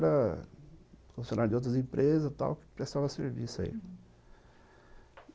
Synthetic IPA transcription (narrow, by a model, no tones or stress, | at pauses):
ɾɐ | kõfisõnaɾd͡ʒɪowt̪ɾɐzẽmpɾʔezɐst̪a̰wkɪ̥pɾest̪avɐseɾvisɐ̰ḭ